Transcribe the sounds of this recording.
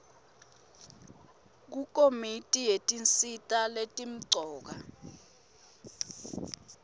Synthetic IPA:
k̬uk̬ʼomitʼijetʼint͡sitʼaletʼim̩ǀɔːk̬a

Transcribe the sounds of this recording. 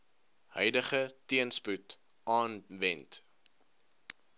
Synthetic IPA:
hœ̰jdəχətiənsput | ʔɑːnvɛnt

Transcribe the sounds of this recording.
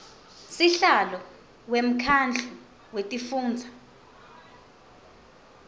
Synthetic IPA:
siɬalɔ | wem̩kʰand͡ɮʰʱu | wetʼifuːnd͡zʱa

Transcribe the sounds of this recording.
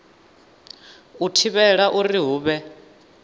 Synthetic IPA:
utʰiβɛɺaʔuriɦuːβɛ

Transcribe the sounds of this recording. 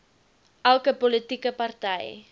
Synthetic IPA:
ʔælˠkəpɔlətikəpɐrtɛj

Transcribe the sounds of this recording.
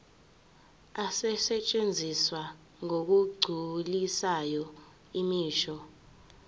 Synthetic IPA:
asɛsɛt͡ʃʼend͡zʱiswa | ŋok̬uɡ͡ǀʱulisajɔ | imiːʃɔ

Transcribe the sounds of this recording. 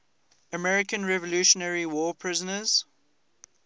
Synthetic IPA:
əmɛɹɪkə̃nɹɛvɔluːʃənɛɹiwɔːpʰɹɪzə̃nəz̥

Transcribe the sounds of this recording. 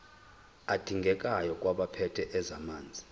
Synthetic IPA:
ad̥ʱiŋɡʱɛkʼajɔkʼwaɓapʰɛtʰɛʔɛzamaːnd͡zʱi

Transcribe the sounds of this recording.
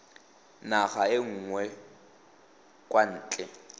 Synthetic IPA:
naχaɪŋ̩ːŋwɛ | kʼwan̩ːt͡ɬʼɛ

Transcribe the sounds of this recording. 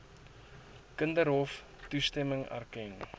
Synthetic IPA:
kəndəɾɦɔf | tustɛməŋæ̰rkɛn

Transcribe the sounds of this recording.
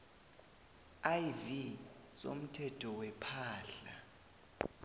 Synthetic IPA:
ajvi | so̰m̩tʰɛtʰɔwɛpʰaːɬa

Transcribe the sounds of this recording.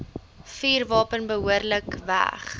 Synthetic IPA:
fiːrvɑːpənbəɦuərləkvæ̰χ

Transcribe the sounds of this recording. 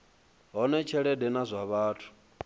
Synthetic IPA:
ɦɔnɛt͡ʃʰɛɺɛdɛnazʷaβaːtʰu̥

